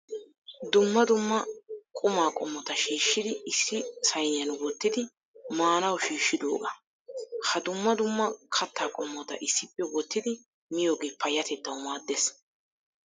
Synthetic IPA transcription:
d̪ʊmːɐd̪ʊmːɐkʼʊmaːkʼɔmːɔt̪ɐʃiːʃːɪd̪ɪɪsːɪsɐjnɪjɐnwɔt̪ːɪd̪ɪ | maːnɐwʃiːʃːɪd̪o̰ːɡɐ | hɐd̪ʊmːɐd̪ʊmːɐkʰɐt̪ːaːkʼɔmːɔt̪ɐ̰ʔɪsːɪpːɛwɔt̪ːɪd̪ɪ | mɪjo̞ːɡeːpɐjɐt̪ɛt̪ːɐwmaːd̪ːes

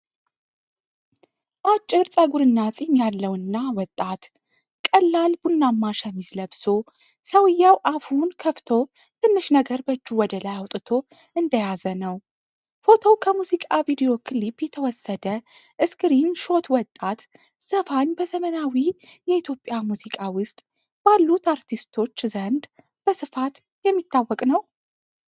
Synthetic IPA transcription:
ʔat͡ʃʼːɨɾsʼəɡuɾɨnːasʼijmjalːəwɨnːawɔt̪ʼːat̪ | kʼəlːalbunːamːaʃəmizləbso | səwɨjːawʔafhunkʰəft̪ʰo̞ | t̪ʰɨnːɨʃnəɡəɾbəd͡ʒːuwɔd̪əlajawt̪ʼɨt̪ʰo̞ | ɨnd̪əjazənəw | fo̞t̪ʰo̞wkʰəmuzikʼavid̪ejo̞kʰɨlipːjɛt̪ʰəwɔsːəd̪ə | ʔɨskɾinʃo̞t̪wɔt̪ʼːat̪ | z̥əfaɲbəzəmənawijɛit̪ʰjopʼːjamuzikʼawʊst̪ʼ | b̥alːut̪aɾt̪ʰist̪ʰo̞t͡ʃːzənd̪ | b̥əsɨfat̪ | jɛmːit̪ʰːawːɔkʼnəw

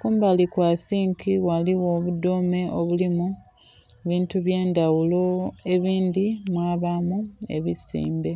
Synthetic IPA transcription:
kuːmbalikwaːsiːŋkiwaliwo̞ːβudome̞ʔoβulimu | βiːntuβje̞ːndawulo̞e̞βiːnd̪imwaːβamue̞̰βisḭːmbe̞

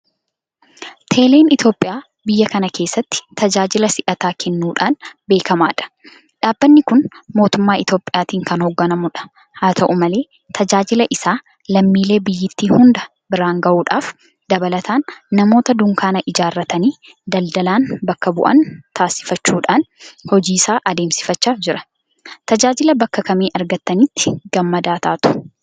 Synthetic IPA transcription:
t̪ʰe̞ːle̞ːnɪt̪jo̞ːpʼːɪjaː | bɪjːɐkɐnɐke̞ːsːɐt̪ːɪ̥t̪ɐd͡ʒaːd͡ʒɪlɐsɪʔɐt̪aːkʰɛnːuːᶑaːnbe̞ːkɐmaːᶑɐ̥ | ᶑaːbːɐnːɪkʊnmo̞ːt̪ʊmːaːɪt̪jo̞ːpʼːɪjaːt̪iːŋkɐnhɔɡːɐnɐmʊᶑɐ̥ | haːt̪ʰɐʔʊmɐle̞ː | t̪ʰɐd͡ʒaːd͡ʒɪlɐʔɪsaː | lɐmːiːle̞ːbɪjːɪt̪ːiːhʊnd̪ɐ | bɪɾaːŋɡɐʔuːᶑaːf | d̪̥ɐbɐlɐt̪ʰaːnːɐmo̞ːt̪ɐd̪ʊŋkaːnɐʔɪd͡ʒaːrːɐt̪ɐniː | d̪ɐld̪ɐlaːnbɐkːɐbʊʔɐ̰nt̪ʰaːsɪ̥fɐt͡ʃːuːᶑaːnhɔd͡ʒiːsaːʔɐd̪e̞ːmsɪ̥fɐt͡ʃːaːfd͡ʒɪɾɐ̥ | t̪ɐd͡ʒaːd͡ʒɪlɐbɐkːɐkɐmiːʔɐɾɡɐt̪ːɐnɪt̪ːɪ̥ɡ̥ɐmːɐd̪aːt̪ʰaːt̪ʊ̥

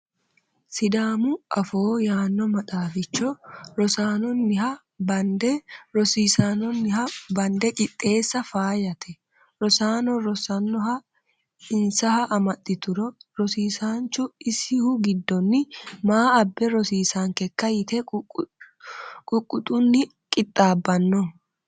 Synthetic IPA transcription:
sɪd̪aːmʊʔɐfoːjaːnːɔmɐt̪ʼaːfɪt͡ʃːɔɾɔsaːnɔnːɪɦɐ | bɐnd̪ɛɾɔsiːsaːnɔnːɪhɐbɐnd̪ɛt͡ʃʼɪt̪ʼːe̞ːsːɐfaːjɐt̪ʰɛ | ɾɔsaːnɔɾɔsɐnːɔhɐ | ɪnsɐhɐʔɐmɐt̪ʼːɪt̪ʊɾɔɾɔsiːsaːnt͡ʃːʊɪsɪhʊɡɪd̪ːɔnːɪmaːɐbːɛɾɔsiːsaŋkɛkːɐjɪt̪ɛ | kʼʊkʼːʊt̪ʼʊnːɪ | kʼɪt̪ʼːaːbːɐnːɔ

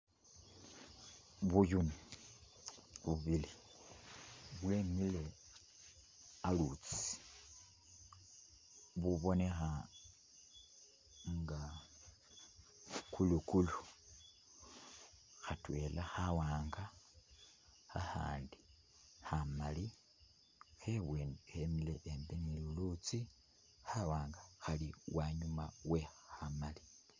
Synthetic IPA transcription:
βujuni | βuβili | βwlemile̞ | alut͡si̥ | βuβo̞ne̞xa | ŋɡa | kulukulu | xatwe̞laxawaːŋɡa | aha̰ːndi | xamali | xeβwehemileʔembenilulut͡si | xawaːŋɡaxaliwaɲumawe̞hamali̥

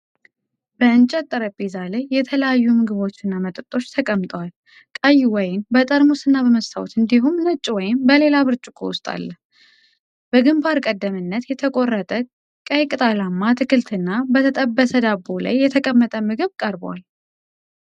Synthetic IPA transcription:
b̥əɨnt͡ʃʼɛt̪ʼːəɾəbizaləjːɛt̪ʰələjajːumɨɡɨβo̞t͡ʃːɨnːamət̪ʼɨt̪ʼːo̞t͡ʃːt̪ʰəkʼəmt̪ʼəwal | kʼajːuwɔjɪnbət̪ʼəɾmusɨnːabəməst̪ʰa̰w̰t̪ɨnd̪iɦumnɨt͡ʃʼːwɔjɪmbəle̞laβɨɾt͡ʃʼukʼṵwʊst̪ʼa̰lːəh | b̥əɡɨmbaɾkʼəd̪ːəmɨnːət̪jɛt̪ʰəkʼo̞rːət̪ʼʰə | kʼəjkʼɨt̪ʼalamːat̪ʰɨkʰɨlt̪ʰɨnːabət̪ʰət̪ʼəbːəsəd̪abola̰jːɛt̪ʰəkʼəmːət̪ʼəmɨɡɨβkʼəɾbwa̰l

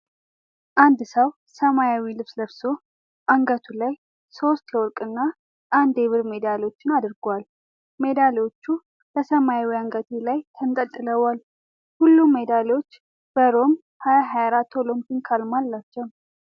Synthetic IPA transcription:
ʔand̪səw | səmajawilɨβsləβso̞ | ʔaŋɡət̪ʰulaj | so̞st̪jɛwɔɾkʼɨnːa | ʔand̪eβɨɾme̞d̪alo̞t͡ʃːɪnad̪ɨɾɡwal | me̞d̪alot͡ʃːu | bəsəmajawiaŋɡət̪ʰelajt̪ʰənt̪ʼət̪ʼːɨləwal | hulːumːed̪aleot͡ʃː | b̥əɾo̞m | hajaɦajaɾat̪ʰːolo̞mpʰinkʰalmalːat͡ʃːɛw

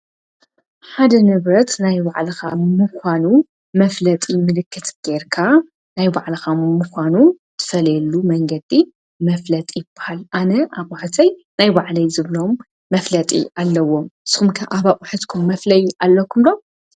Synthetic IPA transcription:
ħad̪ɐnɨβɾɐt̪najbaʕlɐxa̰mɨkʰʷanu | mɐflɐt̪ʼimɨlɨkːɨt̪ɡ̥eɾkʰa | najba̰ʕlɐxamːuxʷanu | t̪ʰɨ̥fɐlɐjɛlːumɐŋɡɐd̪ːi | mɐflɐt̪ʼijɪb̥ahalʔanɐʔaβaʕt̪ʰɐjnajbaʕlɐjzɨβlomː | ɐflɐt̪ʼḭʔalːɐwomɨsxumkʰɐʔaβaʔʼuħɨt̪kʰumːɐflɐjalːokʰumlo

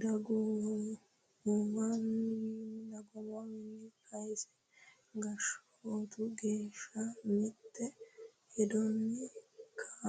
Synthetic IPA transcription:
d̪ɐɡu | umɐninɐɡɔmɔwɪnːɪkʰɐjsɛ̥ | ɡɐʃɔot̪ʊɡeːʃːɐmɪt̪ːɛ | hɛd̪ɔnːɛkʰa

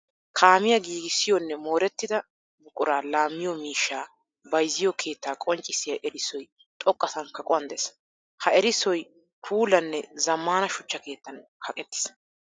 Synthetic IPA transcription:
kʰaːmɪjɐɡiːɡɪsɪjɔnːɛmo̞ːɾɛt̪ːɪd̪ɐ | bʊkʼʊɾaːlaːmːɪjɔmiːʃːaː | bɐjzːɪjɔkʰe̞ːt̪ːaːkʼɔnt͡ʃʼːɪsɪjɐʔɛɾɪsɔj | t̪ʼɔkʼːɐsɐŋkːɐkʼɔɐnd̪ɛs | hɐɛɾɪsɔj | pʰuːlɐnːɛzɐmːaːnɐʃʊt͡ʃːɐke̞ːt̪ːɐnhɐkʼɛt̪ːɪ̥s

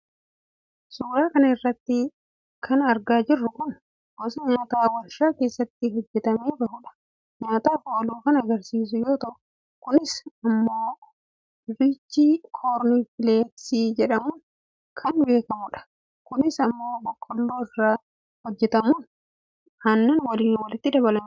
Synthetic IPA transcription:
suːɾaːkɐnɐɪrːɐt̪ːɪ | kʰɐnɐɾɡaːd͡ʒɪrːʊkʊn | ɡɔsɐɲaːt̪aːwɐlʃaːke̞ːsːɐt̪ːɪɦɔd͡ʒːɛt̪ɐmeːbɐhʊᶑɐ̥ | ɲaːt̪aːfoʔːluːkɐnɐɡɐɾsiːs̬ʊjo̞ːt̪ɐʔʊ̥ | kʊnɪsɐmːoː | ɾɪt͡ʃːikʰoːɾnifɪleːksiːd͡ʒɛᶑɐmʊn | kʰɐnbe̞ːkɐmʊᶑɐ̥ | kʊnɪsɐmːo̞ːbɔkʰːɔlːoːɪrːaː | hɔd͡ʒːɛt̪ɐmʊn | hɐnːɛnwɐliːnwɐlɪt̪ːɪd̪ɐbɐlɐm

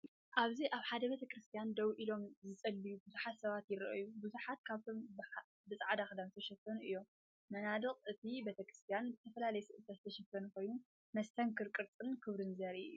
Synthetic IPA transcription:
ʔaβziʔaβħad̪ɐbet̪ʰɐkɾɨst̪ʰijand̪ɐwʔilo̞mzɨt͡sʼɐlbijubuzuħat̪sɐβat̪jɪɾɐʔɨ̰jubuzuħat̪̚kʰaβt̪ʰo̞m | bɨsʼʕad̪axɨd̪anzɨt̪ʰɐʃɐt̪ːɐnuʔɨjːo̞m | mɐnad̪ɨχʼɨt̪ʰibet̪ʰɐkɾɨst̪ʰijanzɨt̪ʰɐfɐlalɐjɛsɨʔɨt̪ʰazɨt̪ʰɐʃɐfːɐnuko̞jnu | mɐst̪ʰɐŋkʰɨɾkʼɨɾt͡sʼɨnkʰɨβɾɨnzɐɾi

